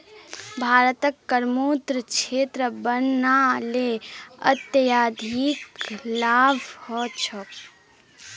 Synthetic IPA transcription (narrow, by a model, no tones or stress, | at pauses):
bʱaːɾət̪əkːəɾmoːt̪ɾəkt͡ʃʰeːt̪ɾəbənːaleət̪jəjaːd̪ʱiːklaːbʱhɔːt͡ʃʰɔ